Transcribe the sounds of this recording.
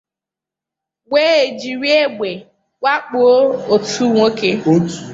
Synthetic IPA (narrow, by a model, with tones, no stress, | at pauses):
ɡeː˦e˨d͡ʒi˨ɾi˦e˦ɡ͡be˨ | kʷa˦k͡po˨˦o˨tu˦ŋo˦ke˦˨